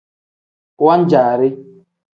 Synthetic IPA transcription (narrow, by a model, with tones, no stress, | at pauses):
wa˦n̩˦d͡ʒaː˨ɾɪ˦